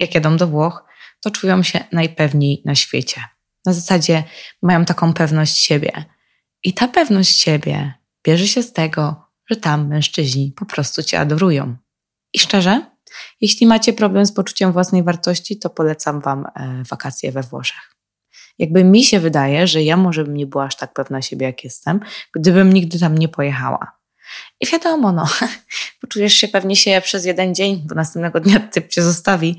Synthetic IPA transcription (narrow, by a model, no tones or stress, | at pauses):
jakjad̪ɔ̃md̪ɔvwɔx | t̪ɔt͡ʂujɔ̃w̃ɕɛnajpɛvɲejnaɕfʲjḛt͡ɕɛ | nazasad͡ʑɛmajɔ̃w̃t̪akɔ̃w̃pɛvnɔɕt͡ɕɕebʲjɛ̰ | ʔit̪apɛvnɔɕt͡ɕɕebʲjɛ̰ | b̥ʲjɛʐɛɕɛst̪ɛɡɔ | ʐ̥ɛt̪amːɛ̃w̃ʂt͡ʂɘʑɲipɔpɾɔst̪ut͡ɕɛ̰a̰d̪ɔɾujɔ̰̃w̃ | iʂt͡ʂɛʐɛ | jeɕlʲimat͡ɕɛpɾɔblɛmspɔt͡ʂu̥t͡ɕɛmvwasnɛjvaɾt̪ɔɕt͡ɕit̪ɔpɔlɛt̪samvamvakat̪sʲjɛ̰vɛvwɔ̰ʂḁx | jaɡ̚bɘmʲiɕɛvɘd̪ajɛʐɛjamɔʐɛbɘmɲɛbɘɨwaaʂt̪ak̚pɛvnaɕebʲjɛjakjɛst̪ɛmɡ̥d̪ɘbɘmɲiɡ̚d̪ɘt̪amɲɛpɔjɛxa̰wa̰ | ʔivʲjad̪ɔmɔnɔpɔt͡ʂujɛʂɕɛpɛvɲɛɕɛpʂɛzjɛd̪ɛnd͡ʑeɲd̪ɔnasɛmpnɛɡɔd̪ɲat̪ɘp̚t͡ɕɛzɔst̪avʲi